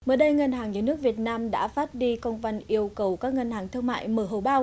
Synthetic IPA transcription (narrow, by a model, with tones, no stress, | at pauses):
məː˨˩jɗə˧jŋə˧nhaː˨˩ŋɲɨː˨˩˦nɨ˦˥ək̚vi˨˩ət̚naː˧mɗa̰ː˧˥faː˦˥t̚ɗi˧kə˧wŋ͡mva˨˩nʔi˧əwkə˨˩wkaː˦˥k̚ŋə˧nhɦaː˨˩ŋt̪ʰɨ˧əŋma̰ː˧˨jməː˨˧˩ɦo˨˩ɓaː˧w